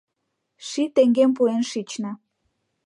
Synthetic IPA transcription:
ʃit̪eŋɡemp̬uenʃit͡ɕnə

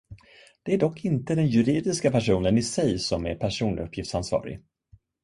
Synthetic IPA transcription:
d̪̥ɛæɖɔkːɪnt̪əd̪ɛnjɵɾiːd̪ɪskapʰæʂuːnənɪsɛjsɔmæ̰ɾpʰæʂuːnɵpʰːjɪft̪sansvɑ̰ːɾɪ̰

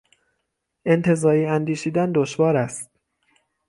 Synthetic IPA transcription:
ʔe̞nt̪ʰe̞zɒːɾiːænd̪iːʃiːd̪ænd̪oʃvɒːɾæst̪̚

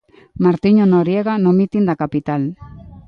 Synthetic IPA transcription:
maɾt̪iɲonoɾieɣanomit̪ind̪akapit̪al

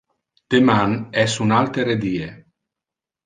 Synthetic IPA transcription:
t̪emanɛsunalt̪eɾed̪iːe

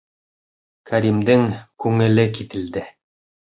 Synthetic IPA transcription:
kʰæɾʲimd̪ɘŋkʉŋɘ̆lɘkit̪ɘ̆ld̪ɘ

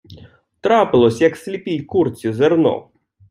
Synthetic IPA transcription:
t̪ɾapɪlˠɔsʲjɐksʲlʲipʲijkurt͡sʲizernɔ̰

